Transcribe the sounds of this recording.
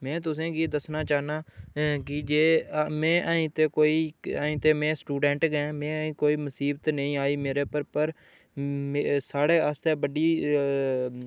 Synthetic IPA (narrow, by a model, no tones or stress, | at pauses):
mɛ̃ːt̪ʊs̬ẽːɡiːd̪əsnaːt͡ʃaːɦnaːkɪd͡ʒeːmɛ̃ːʔaĩːt̪eːkoːiːaːĩːt̪eːmɛ̃ːsʈuːɖɛ̃ːɳʈɡɛ̃ːmɛ̃ːĩːkoːiːməsiːbt̪nəĩːaːiːmeːɾeːpəɾpəɾ | msaːɽeːəst̪eːbəɖiː